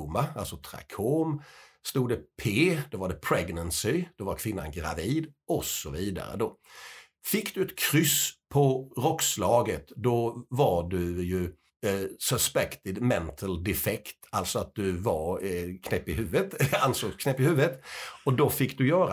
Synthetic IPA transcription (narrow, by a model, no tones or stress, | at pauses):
maalsɔt̪ʰɾa̰kʰoːm | st̪uːd̪əpʰeːd̪̥ɔvaɖɛpʰɾɛɡnənsɪd̪̥ɔvaɾkʰv̥ɪnːa̰nɡɾa̰viːd̪ɔsɔviːd̪a̰ɾə̰d̪ɔ | fɪkːd̪ɵɛt̪kʰɾʏspʰɔɾɔkslɑːɡət̪d̪ɔvaɖɵjɵ | sœspɛkt̪ɪd̪mɛnt̪ʰəld̪ɛfɛkt̪alt̪sɔat̪̚d̪ɵvaɾkʰnɛpːɪhʉ̟ːvət̪ansoːɡskʰnɛːpːɪhʉ̟ːvət̪ɔd̪ɔfɪkːd̪ɵjœːɾa